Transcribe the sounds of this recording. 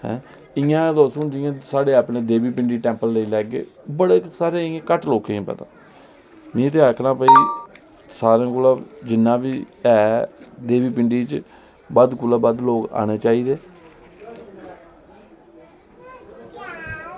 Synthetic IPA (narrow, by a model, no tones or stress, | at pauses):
hɛ̰̃ː | ɪjãːd̪oːsũːnd͡ʒɪjãːsaːɽeːaːpneːd̪eːbiːpɪɳɖiːʈɛ̃ːmpəlːəiːlɛːɡḛːbəɽeːsaːɾeːɪẽːkəʈloːkeːĩːpə̰t̪ã̰ː | mĩːt̪̬eːakʰnãːpəiː | saːɾãːkʊlaːd͡ʒɪnːãːbiːɛːd̪eːbiːpɪɳɖiːt͡ʃ | bəd̪kʊlaːbəd̪loːka̰ːneːt͡ʃaːiːd̪eː